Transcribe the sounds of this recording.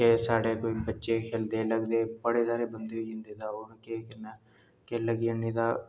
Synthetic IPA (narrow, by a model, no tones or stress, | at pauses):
kesaːɽeːkoːiːbətːʃeːkʰeːld̪eːləɡd̪eːpəɽeːsaːɾeːbənd̪eiɦɪnd̪eːt̪aːʊɾkekɪnə | keləɡənĩːt̪aː